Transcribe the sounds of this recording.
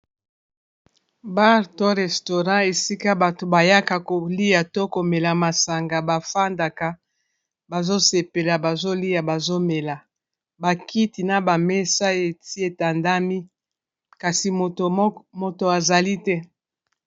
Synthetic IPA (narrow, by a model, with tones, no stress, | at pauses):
ba˦ʁto˦ʁɛ˨sto˨ʁã˦e˨si˦ka˦ba˨to˨ba˨ja˦ka˨ko˨li˦ja˨to˦ko˨me˨la˨ma˨sa˨ŋɡa˨ba˨fa˦nda˨ka˨ | ba˨zo˦se˨pe˨la˨ba˨zo˦li˦ja˨ba˨zo˦me˨la˨ | ba˨ki˦ti˨na˨ba˨me˦sa˦e˨ti˦e˨ta˨nda˦mi˦ | ka˨si˨mo˨to˨a˨za˨li˦tɛ˦